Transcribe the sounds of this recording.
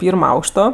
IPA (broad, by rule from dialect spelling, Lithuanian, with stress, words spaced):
ˈpʲiːrmoː ˈɐʊkʃtoː